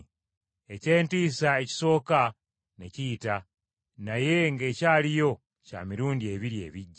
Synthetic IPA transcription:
e̞ce̞ːntiːsae̞ci̥so̞ːka | neciːta | naje̞ŋɡe̞caːlijo̞ | ca̰ːmiɾuːndie̞βiɾie̞̰ːβiɟːa

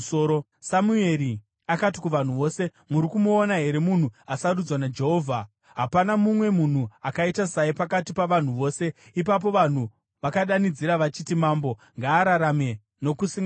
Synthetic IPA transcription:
oo | samue̞ɾi | akat̬ikuʋan̤uʋo̞ːse̞ | muɾikumuːnaɦe̞ɾe̞mun̤uasaɾud͡zwanad͡ʒe̞ɦo̞ːvʱa | ɦapanamumwe̞mun̤uakaitasaipakatipaʋan̤uʋo̞ːse̞ip̬ap̬o̞ʋan̤u | ʋakaɗanid͡ziɾaʋat͡ʃitimaːmbo̞ | ŋɡaːɾaɾame̞ | no̞kusiŋ

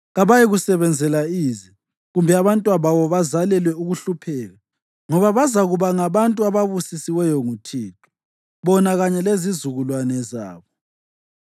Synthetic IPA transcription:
ɣaβajiɣusɛβɛnd͡zʱɛlaizi | ɣumbʱɛaβantʼwaβaβɔβazalɛlwɛuɣuɬupʰɛːɣa | ŋɔβaβazaɣuβaŋaβantʼuaβaβusisiwɛjɔŋutʰiːtʰʼu̥ | βɔnaɣaɲɛlezizuɣulwanɛza̰ːβɔ

